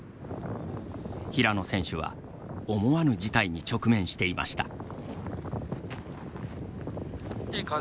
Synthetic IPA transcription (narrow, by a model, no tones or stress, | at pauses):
çiɾano̞sẽ̞ɰ̃ɕɨβa̰ | o̞mo̞βanɯ̟d͡ʑit̪aiɲ̟it͡ɕo̞kɯ̟mẽ̞ɰ̃ɕi̥t̪e̞ima̰ɕi̥t̪a | k